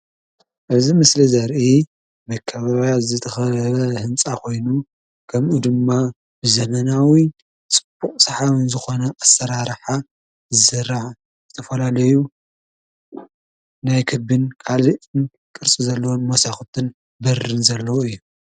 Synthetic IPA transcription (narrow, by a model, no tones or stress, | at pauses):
ʔɨzimɨslizɐɾʔi | mɐkʰːɐβaβjazɨt̪ʰɐxɐβɐhɨmt͡sʼakʰo̞jnu | kʰɐmʔud̪ɨmːa | bɨzɐmɐnawi | t͡sʼɨ̥b̥ːuχʼsɐħaβɨnzɨxo̞nɐʔasɐɾaɾħa | zɨsɨɾaʕ | z̥ɨt̪ʰɐfɐlalɐju | najkʰɨbɨnkʰaliʔɨn | kʼɨɾt͡sʼizɐlːɐwonmosaxt̪ʰɨn | bɐrɨnzɐlːɐwoɨjːu